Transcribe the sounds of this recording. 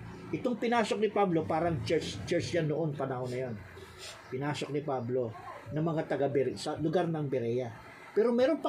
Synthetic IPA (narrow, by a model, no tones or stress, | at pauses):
ʔɪt̪o̞ŋpɪnaːso̞k̚nɪpablo̞paːɾɐŋt͡ʃɛst͡ʃɛɹt͡ʃjanːoʔo̞npɐnɐhonːɐjo̞n | pɪnaːsok̚nɪpablo̞nɐŋmɐŋat̪ɐɡɐbɛɾsɐlʊɡaɾnɐŋbɛɾɛja | pɛːɾo̞mɛːɾo̞npɐ